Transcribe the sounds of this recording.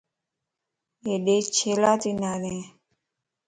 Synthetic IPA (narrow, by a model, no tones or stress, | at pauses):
eɗet͡ʃʰelat̪inane